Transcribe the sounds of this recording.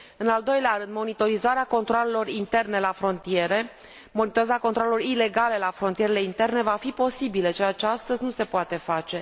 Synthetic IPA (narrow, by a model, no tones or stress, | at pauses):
ɨnald̪o̞jleaɾɨnd̪mo̞nit̪o̞ɾizaɾeako̞nt̪ɾoale̞lo̞rint̪e̞rne̞lafɾo̞nt̪ie̞ɾe̞ | monit̪oɾizako̞nt̪ɾoalelo̞rile̞ɡale̞lafɾo̞nt̪ije̞ɾele̞int̪e̞rne̞vafipo̞sibilət͡ʃejat͡ʃeast̪əzʲnuse̞poat̪e̞fat͡ʃe̞